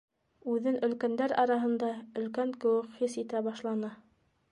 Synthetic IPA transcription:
ʉðɘnʔɵ̆lkænd̪æɾɑɾɑɦɤ̆nd̪ɑɵ̆lkæŋkɘ̆wɘkχisit̪æbɑʃlˠɑnɤ

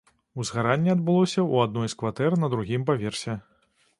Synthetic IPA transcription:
uzɣaɾanʲːɛad̪̚bɨlˠɔsʲɐuad̪̚nɔjskvat̪ɛrnɐd̪ɾuɣʲimpavʲɛrsʲɛ

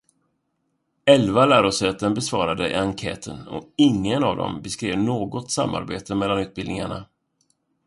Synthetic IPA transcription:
ɛlvalæːɾɔsɛːt̪ːənbɛsvɑːɾad̪əɪaŋkʰɛ̰ːt̪ʰənɔ̰ɪŋːənavd̪ɔ̰mbɛskɾeːvnoːɡɔt̪sa̰mːa̰ɾbeːt̪ʰəmɛlːanʉ̟ːt̪̚bɪld̪nɪŋa̰ɳa̰

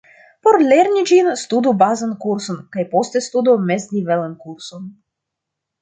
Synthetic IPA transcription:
po̞ɾleɾnid͡ʒinst̪ud̪ubazankuɾsonkajpo̞st̪est̪ud̪omezd̪ivelankuɾson

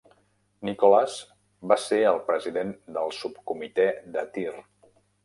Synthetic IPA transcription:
nikolaz | baseəlˠpɾəziðend̪əlˠsup̚kumit̪ɛd̪ət̪ir

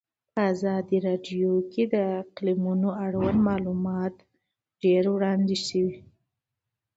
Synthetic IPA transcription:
pəazɑd̪iɾɑɖjoked̪əɪqlimunoaɽwanmɑlumɑt̪ | ɖ̥eɾwɽɑnd̪iʃəwi

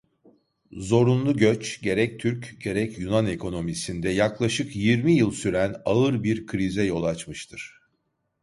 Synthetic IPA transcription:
zo̞ɾunlˠuɟøt͡ʃɟe̞ɾɛc̚t̪ʰyɾcɟe̞ɾɛcjunane̞kʰo̞no̞misind̪ɛjaklˠaʃɯkjiɾmijɯlˠsyɾænaɯɾbiɾkʰɾizɛjo̞lˠat͡ʃmɯʃt̪ʰɯɾ̥

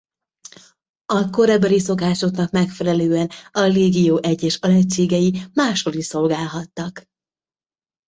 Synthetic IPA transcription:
ɒko̞ɾɛbɛliso̞kaːʃo̞t̪nɒkmɛkfɛlɛløːɛnɒreːɡijoːʔɛɟːɛʃɒlɛt͡ʃːeːɡɛjimaːʃho̞liʃso̞lɡaːlɦɒt̪ːɒk

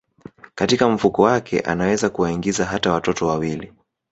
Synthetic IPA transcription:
katikam̩fukɔwakʰɛ̰ʔa̰nawɛzakuwaiŋɡizaɦatawatɔtɔwawili

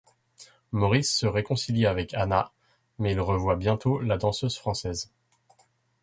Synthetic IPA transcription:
mɔʁisːəʁekɔ̃siljavɛkʰana | mɛilʁəvwabjɛ̃t̪olad̪ɑ̃søzfχɑ̃sɛz

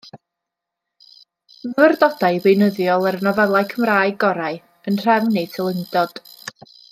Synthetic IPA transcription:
nəwɛrdɔdaɨvejnəðjɔlˠəɾnɔvɛlˠajkʰəmraːɨɡɔɾaɨ | ənr̥ɛvnejtʰɪlˠəŋdɔd̥

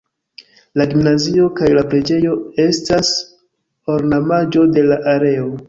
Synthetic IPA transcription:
laɡimnazio̞kajlapɾe̞d͡ʒe̞jo̞e̞stas | o̞ɾnamad͡ʒo̞de̞laʔaɾe̞o̞

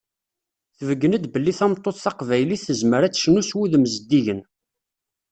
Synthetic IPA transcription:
θəvəɡːənəd̪bəlːiθæmt̪ˤːoθθɑqvæjliθːəzməɾæt͡sːʃnuswiðmzəd̪ːiʝən

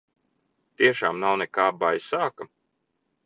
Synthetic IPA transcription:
t̪iɛʃaːmnawnɛkaːbajsaːkɐ

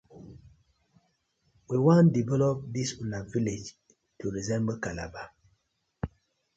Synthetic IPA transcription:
wiwãndivɛlɔp̚disunaviled͡ʒ | tʰuɾizɛ̃mbəkala̰ba

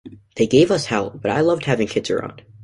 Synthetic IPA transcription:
ðeɪɡeɪvʌshɛlˠb̥ʌɾa̰ɪlʌvd̚hævɪ̃ŋkʰɪdz̥ə̰˞ã̰ʊ̃nd̥

